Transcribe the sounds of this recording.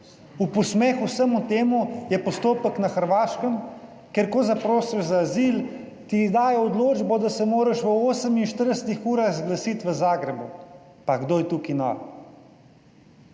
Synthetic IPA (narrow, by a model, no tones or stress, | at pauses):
upɔsmɛxusəmut̪eːmujɛpɔst̪oːpəknaxəɾʋaːʃkəm | keɾkɔzapɾoːsiʒzaːziːl | t̪id̪aːjɛɔd̪loːd͡ʒbɔd̪asɛmoːɾəʃʋəoːsəminʃt̪əɾd̪əsət̪ixuːɾaɣzɡlasit̪ʋəzaːɡɾɛbu | paɡd̪oːjɛt̪ukinɔ̰